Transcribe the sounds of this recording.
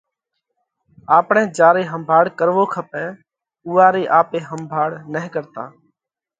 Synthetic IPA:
aːpɳẽːd͡ʒaːɾeːɦəmbʱaːɽkəɾʋoːkʰəpẽː | uːaːɾeːʔaːpeːɦəmbʱaːɽnəɦkəɾt̪a̰ː

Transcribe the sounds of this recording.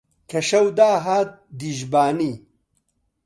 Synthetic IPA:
kʰɐɕɐwd̪aːɦaːt̪̚d̪iʑbaːni

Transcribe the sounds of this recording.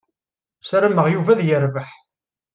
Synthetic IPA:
sɾæməʁjuvæðjəɾvəħ

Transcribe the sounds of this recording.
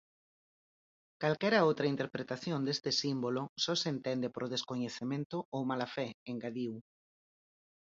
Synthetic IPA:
kalkɛɾaowt̪ɾɐint̪eɾpɾet̪aθjond̪est̪ɪsimbolosɔsent̪ɛnd̪epoɾoð̞eskoɲeθemẽnt̪ʊowmalafɛeŋɡaðiw

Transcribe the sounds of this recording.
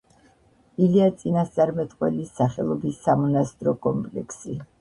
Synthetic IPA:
iliat̪sʼinast̪sʼaɾmɛt̪ʼqʼwɛ̰lisːaχɛlˠɔbisːamɔnast̪ʼɾɔkʼɔmpʼlɛkʰsi

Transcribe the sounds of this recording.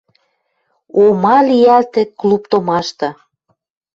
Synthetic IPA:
omɑliælt̪eklupt̪omɑʃt̪ɤ̆

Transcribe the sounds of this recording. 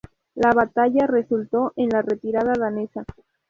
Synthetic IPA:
laβat̪aʝare̞sult̪o̞ʔe̞nlare̞t̪iɾaðaðanesa

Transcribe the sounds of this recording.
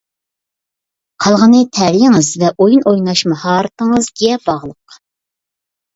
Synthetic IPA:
qʰɑlˠʁənɨt̪ʰɛɾijɪŋɨzvɛʔojunʔojnɑʃmɨhɑːɾɨt̪əŋəzɡʲɛbɑʁlˠəq

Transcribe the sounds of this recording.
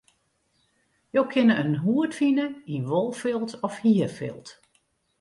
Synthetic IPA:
jowkʰɪnəʔənɦuətfinəinʋolˠfɪlˠtɔfhiəfɪ̰lˠt

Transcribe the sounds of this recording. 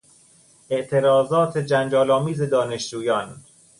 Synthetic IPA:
ʔe̞ʔt̪ʰe̞ɾɒːzɒːt̪ʰed͡ʒænd͡ʒɒːlɒːmiːze̞d̪ɒːne̞ʃd͡ʒuːjɒːn

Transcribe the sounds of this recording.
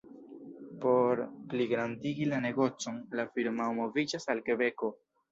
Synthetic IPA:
po̞ɾpliɡɾandiɡilane̞ɡo̞t͡so̞nlafiɾmaomo̞vid͡ʒasalke̞be̞ko̞

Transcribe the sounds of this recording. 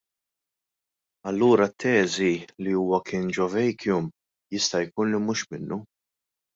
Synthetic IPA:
ɐlːuːɾɐt̪ʰːɛːziliuːwɐkʰɪːnd͡ʒɔvɛjkjʊm | jɪst̪ɐjkuːnlimuːʃmɪnːu

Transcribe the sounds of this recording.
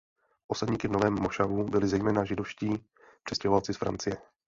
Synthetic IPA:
ʔo̞sadɲiːkɪvnovɛːmːoʃavubɪlɪzɛjmɛːnaʒɪdo̞fʃciː | pr̥ɛscɛɦovalt͡sɪsfɾa̰nt͡sɪjɛ

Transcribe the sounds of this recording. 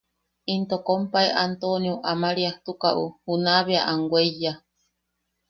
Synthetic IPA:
int̪okompaeʔant̪onioʔamaɾiaht̪ukaʔṵhunaβeaʔaŋɡwʷeija

